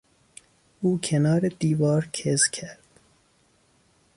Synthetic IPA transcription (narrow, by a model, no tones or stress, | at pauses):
ʔuːkʲʰenɒːɾed̪iːvɒːɾkʰezkʰæɾd̪̥